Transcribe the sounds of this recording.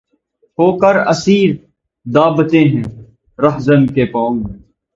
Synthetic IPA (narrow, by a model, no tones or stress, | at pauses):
ɦoːkɐɾɐsiːɾ | d̪aːbt̪ẽɦɛ̃ː | ɾɐɦzənkeːpɔ̃ːŋɡmɛ̃ː